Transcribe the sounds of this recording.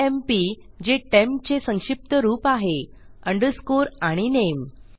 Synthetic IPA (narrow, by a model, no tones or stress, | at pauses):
empiː | d͡ʑeʈemp̚t͡ɕesə̃ŋɕip̚t̪əɾuːpaɦe | əɳɖəɾskoɾaɽ̃inem